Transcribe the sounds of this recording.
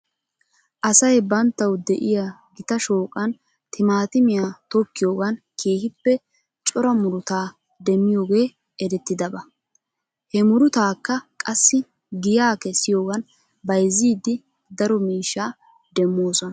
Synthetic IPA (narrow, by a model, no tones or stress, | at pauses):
ʔɐsɐjbɐnt̪ːɐwd̪ɛʔɪjaɡɪt̪ɐʃo̞ːkʼɐn | t̪ʰɪmaːt̪ɪmɪjat̪ɔkːɪjo̞ːɡɐn | kʰe̞ːhɪpːɛ | t͡ʃʼɔɾɐmʊɾʊt̪aː | d̪ɛmːɪjo̞ːɡe̞ː | ɛɾɛt̪ːɪd̪ɐbɐ | hɛmʊɾʊt̪aːkːɐkʼɐsːɪ | ɡɪjaːkɛsːɪjo̞ːɡɐn | bɐjziːd̪ɪ | d̪ɐɾɔmiːʃːaː | d̪ɛmːoːsɔnɐ